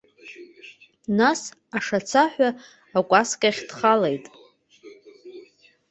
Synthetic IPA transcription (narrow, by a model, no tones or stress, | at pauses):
nasaʂat͡sʰaħʷᶣaː | kʷʼaskʲʼaχʲdχalejtʼ